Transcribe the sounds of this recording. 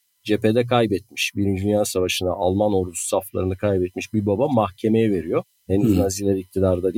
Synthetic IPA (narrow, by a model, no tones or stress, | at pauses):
d͡ʒeped̪ɛkʰajbɛt̪̚miʃbiɾid͡ʒynjasavaʃɯna̰ʔalˠmano̞ɾd̪u̥saflˠa̰ɾɯnakʰajbɛt̪̚miʃbiɾbabamahcʰe̞me̞jɛve̞ɾijo̞ | henyznazilʲɛɾic̚t̪ʰid̪aɾd̪ad̪